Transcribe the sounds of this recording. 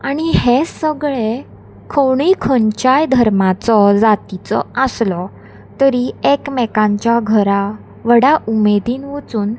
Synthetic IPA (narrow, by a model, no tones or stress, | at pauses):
aɽ̃ihesəɡɭe | kʰəwɳiːkʰəɲt͡ɕajd̪ʱəɾmat͡sɔd͡zat̪it͡sɔ̰əslɔ | t̪əɾiekmɛkãɲt͡ɕjaɡʱəɾa | ʋəɽaʔumed̪iːnʋət͡suːn